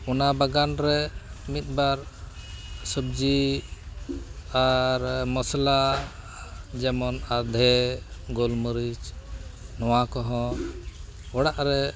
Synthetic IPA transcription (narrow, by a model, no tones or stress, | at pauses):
ɔnabaɡanɾɛmit̪̚ˀbaɾ | səb̚d͡ʒi | aɾmɔsla | d͡ʒɛmɔnad̪ʱɛɡɔlməɾit͡ʃ | nɔwakɔɦɔ̃ | ɔɽaʔɾɛ